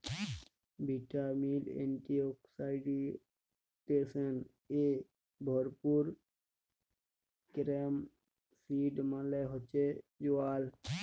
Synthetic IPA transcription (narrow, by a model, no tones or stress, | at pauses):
bʱiʈamilḛnʈioksaɪɖi | t̪esən | e | bʱɔɾpuɾ | kɾem | siɖmãleɦɔt͡ʃed͡ʒuaːl